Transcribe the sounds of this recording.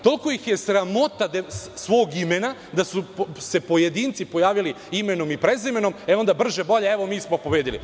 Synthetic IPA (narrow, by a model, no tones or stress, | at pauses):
t̪o̞lkojixjesɾamo̞t̪ad̪sʋo̞ːɡimenad̪asuse̞po̞jed̪iːnt̪sipo̞jaːʋili | imeno̞mipɾezimeno̞meo̞nd̪abr̩ʒebo̞ʎeeʋo̞miːsmopobeːd̪ilḭ